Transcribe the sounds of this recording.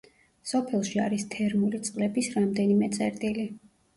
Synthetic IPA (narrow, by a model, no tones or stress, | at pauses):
sɔpʰɛlˠʃia̰ɾist̪ʰɛɾmulit̪sʼqʼlɛbisɾamd̪ɛnimɛt̪sʼɛɾt̪ʼili